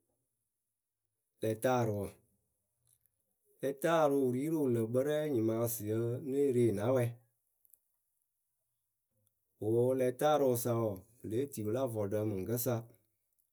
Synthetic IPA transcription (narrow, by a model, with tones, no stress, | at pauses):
lɛ˨taː˦˨ɾɨ˨wə˨ | lɛ˧ta˦˨ɾu˨ɾi˦ɾu˦˨lə˨ɡ͡bə˦ɾɛ˦ɲi˨ma˧si˨ə˦nə˦ɾeː˦˨na˨˦wɛ˧ | o˨˦lɛ˨ta˦ɾo˨sa˨wo˨ | le˨˦ti˨wu˨la˦vɔ˨də˧mɨ˨ŋ˨ɡə˦sa˧